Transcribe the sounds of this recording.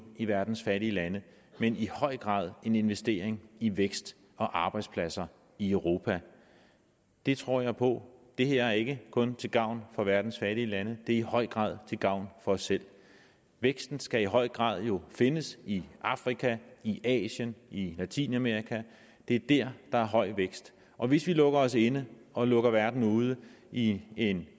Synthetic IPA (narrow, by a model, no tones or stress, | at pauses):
iʋæɐd̥n̩sfæɾiəlænə | menihɒ̽ɪ̰ɡ̥ʁɑ̰̈ːðˠe̝ne̝nʋesd̥e̝̰ːɐeŋiʋeɡ̥sd̥ | ɒ̽ʔɑ̈ːb̥ɑ̈ɪd̥spʰlæsɐ | iœʊʁo̝ːpʰæ | d̥e̝t͡sʰʁo̝ɐ̰jɑ̈ɪpʰɒ̽d̥e̝heɐ̰æɐe̝ɡ̥əkʰɔ̽nt͡sʰe̝lɡ̥ɑ̈ʊ̰nfɒ̽ʋæɐd̥n̩sfæɾ̥iəlænəd̥e̝ɐihɒ̽ɪ̰ɡ̥ʁɑ̰̈ːð̞ˠt͡sʰe̝lɡ̥ɑ̈ʊ̰nfɒ̽ɒsːel̰ | ʋeɡ̥sd̥n̩sɡ̥æiɦɒ̽ɪ̰ɡ̥ʁɑ̰̈ːð̞̰ˠjo̝fe̝nəsiɑ̈fʁikʰæiʔɛ̰ːɕənilæt͡sʰḭːnæmeɐʁikʰæ | d̥e̝æɐd̥æɐ̰d̥ɑ̈æɐɦɒ̽ɪ̰ʋeɡ̥sd̥ | ʔɒ̽ʋe̝sʋilɔ̽ɡ̥ɐɒ̽se̝nəɒ̽lɔ̽ɡ̥ɐʋæɐd̥n̩uːð̞ˠə | ie̝n